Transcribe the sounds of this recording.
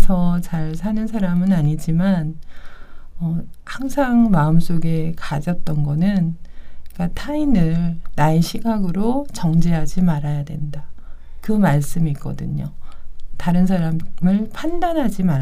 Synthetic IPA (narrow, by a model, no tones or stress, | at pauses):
t͡ɕʌt͡ɕaɭsʰanɯnsʰaɾamɯnaɲid͡ʑiman | ʌhaŋsʰaŋmaɯms͈oɡe̞kad͡ʑʌt̚t͈ʌnɡʌnɯnk͈atʰainɯɭnaeɕʰiɡaɡɯɾot͡ɕʌŋd͡ʑeɦad͡ʑimaɾajadwe̞̰nda | kɯmaɭs͈ɯmik͈ʌdɯ̰ɲotaɾɯns̬ʰaɾammɯɭpʰandanɦad͡ʑimaɾ